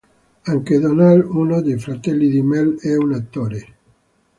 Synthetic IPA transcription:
aŋked̪onalunod̪ejfɾat̪ɛlːid̪imɛlɛunat̪ːoɾe

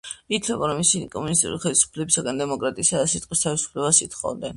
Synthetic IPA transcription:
it̪ʰlɛbaɾɔmːisikʼɔmunis̬t̪ʼḭṵliχɛlisu̥pʰlɛbisaɡand̪ɛmɔkʼɾat̪ʼiːsad̪asit̪ʼqʼwist̪ʰavisu̥pʰlɛbasit̪ʰχɔ̰d̪ɛn

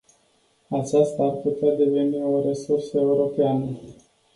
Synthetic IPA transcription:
at͡ʃast̪aːrput̪ead̪e̞ve̞nio̞ɾe̞sursəe̞uɾo̞peanə

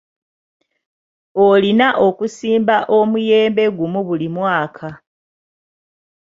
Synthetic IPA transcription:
olinaʔo̞kusiːmbaʔomujeːmbe̞ɡumuβulimwaːkʰa

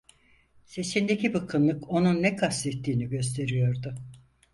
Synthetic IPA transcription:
se̞sind̪e̞cibɯkʰɯnlˠɯko̞nunːɛkʰast̪et̪ʰːiːniɟø̞s̬t̪ʰe̞ɾijo̞ɾd̪ʊ

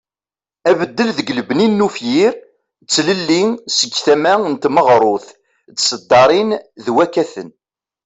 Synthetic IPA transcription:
ævəd̪ːəlðəɡləbninːufjiɾ | t͡sːləlːiŋsəɡθæmæənt̪məʁɾˤʊθ | t͡sːsəd̪ːɑɾˤinðwækːæθən

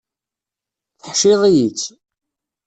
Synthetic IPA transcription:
θəħʃɪðˤijit͡sː

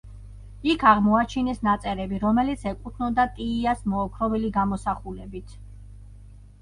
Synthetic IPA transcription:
ikʰaʁmɔat͡ʃʰinɛsnat̪sʼɛɾɛbiɾɔmɛlit̪sʰɛkʼut̪ʰnɔd̪at̪ʼiːasmɔːkʰɾɔbɛliɡamɔsaχulɛbit̪ʰ

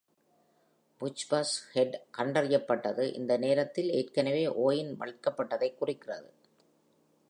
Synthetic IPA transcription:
bʊt͡ʃbaːshɛɖkɐɳɖɐrɪjɐpːɐʈːɐðɯʔɪ̰nd̪ɐneːɾɐt̪ːɪlḛːrkɐnɐʋeːʔoːjɪnmɐ̰ɻɯkːɐpːɐʈːɐðɐɪkːʊrɪkːɪrɐðɯ̰

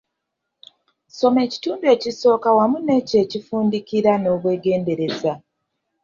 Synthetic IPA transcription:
so̞me̞ːci̥tuːndue̞ːciso̞ːkawamune̞ːce̞ːcifuːndikiɾano̞ːβwe̞ːɡe̞ːnde̞ɾe̞za

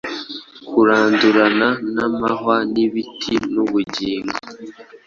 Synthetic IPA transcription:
kʰuɾaːnduɾananamaɦwaniβitʰinuβuɟiːŋɡo

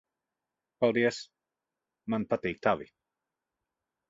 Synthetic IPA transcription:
palˠd̪iəs | manpat̪iːk̚t̪avi

